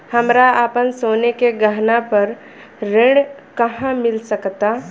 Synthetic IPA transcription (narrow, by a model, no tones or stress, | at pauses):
hɐmɾaaːpənsoːnekeɡəɦnapɐɾ | ɾẽɽkɐɦãmɪlsəkt̪a